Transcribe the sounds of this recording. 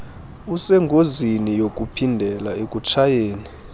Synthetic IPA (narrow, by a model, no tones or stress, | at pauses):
usɛŋɡʱozinijok̬ʼupʰindʱɛlaekʼut͡ʃʰajeːni